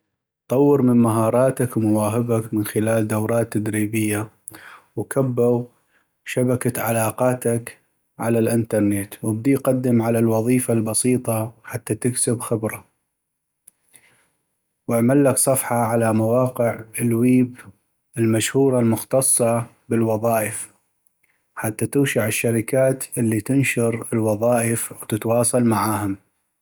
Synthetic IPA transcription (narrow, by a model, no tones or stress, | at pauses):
t̪ˤɑwːɪɾmɪnmaɦɑːɾˤɑːt̪akmʊwaːɦɪbakmɪnxɪlaːld̪awɾˤɑːt̪ːad̪ɾiːbɪjːa | wkabːaw | ʃabakaʕa̰lɑːqɑːt̪ak | ʕalalʔɪnt̪ɑɾˤnet̪wɪb̚d̪iqad̪ːɪmʕalalwɑðˤiːfalbɑsˤiːt̪ˤɑħat̪ːat̪ɪksɪbxɪbɾa | wɪʕmalːaksˤɑfħɑʕalamawɑːqɪʕɪlwiːb | ɪlmaʃhuːɾˤɑlmʊxt̪ɑsˤːɑ | bɪlwɑðˤɑːʔɪf | ħat̪ːat̪uːʃaʕɪʃːaɾɪkaːt̪ʔɪlːit̪ɪnʃɑɾɪlwɑðˤɑːʔɪfwt̪ɪt̪wɑːsˤɑlmaʕaːhʊm